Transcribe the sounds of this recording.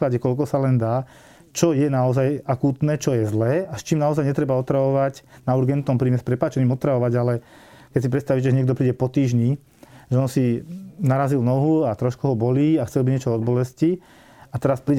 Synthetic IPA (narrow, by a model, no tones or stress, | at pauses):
klaɟɛkɔlk̬ɔsalɛnd̪aː | t͡ʃɔjɛnaɔzajakuːt̪nɛːt͡ʃɔjɛzlɛːast͡ʃiːmnaɔzajɲɛt̪ɾɛbaɔt̪ɾaʋɔʋaɟnauɾɡɛnt̪nɔmpɾiːmɛspɾɛpaːt͡ʃɛnimɔt̪ɾaʋɔʋaɟalɛ | kɛcsipɾɛt̪st̪aʋicɛʒɛɲɪɛɡd̪ɔpɾiːɟɛpɔt̪iːʒɲi | ʒɛɔnsinaɾazilnɔɦuat̪ɾɔʃkuɦɔbɔliːaxt͡sɛlbiɲɛt͡ʃɔɔd̪̚bɔlɛsci | at̪ɛɾaspɾiːɟ